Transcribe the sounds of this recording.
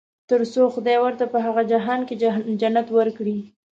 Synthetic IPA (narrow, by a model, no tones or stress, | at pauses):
t̪əɾsoxʊd̪ɑjwəɾt̪apəɦaɣad͡ʒaɦɑnked͡ʒanːat̪wəɾkɽi